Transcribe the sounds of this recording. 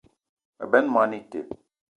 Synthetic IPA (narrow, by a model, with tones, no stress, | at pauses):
bɛ˦nma˦ni˦tḛ˨